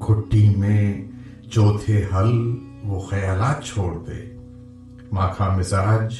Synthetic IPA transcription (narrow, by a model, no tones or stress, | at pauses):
kʰʊʈːimẽ | t͡ʃoːt̪ʰeɦɐl | ʋoxɐjaːlaːt̪̚t͡ʃʰoːɽt̪ḛː | mãːkʰamɪzaːd͡ʒ